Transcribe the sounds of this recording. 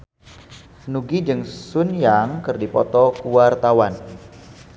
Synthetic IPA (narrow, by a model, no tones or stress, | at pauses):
nuɡid͡ʒɨŋsʊnjaŋkɨrdipɔ̰t̪ɔkuwart̪awan